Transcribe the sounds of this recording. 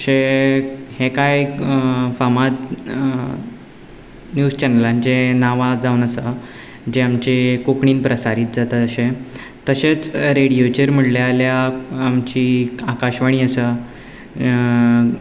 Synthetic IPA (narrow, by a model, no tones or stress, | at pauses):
əɕe | hẽkaj | famat̪ | njuːzt͡ɕɛnəland͡ʑenaʋad͡zaunəsə | d͡ʑeamt͡ɕekokɳiːnpɾəsaɾiːt̪̚d͡zat̪at̪əɕẽ | t̪əɕet͡sɾeɽijot͡ɕeɾm̤əɽljaljaːmt͡ɕiːakaɕʋaɽ̃iːəsə